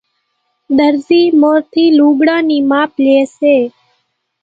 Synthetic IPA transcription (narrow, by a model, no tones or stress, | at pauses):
d̪əɾziːmoːɾt̪ʰiːluːɡɽãːniːmaːpleːseː